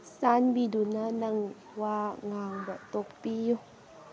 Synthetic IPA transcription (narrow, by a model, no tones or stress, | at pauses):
saːnbidunanaŋ | waːŋaːŋbɔt̪ok̚pij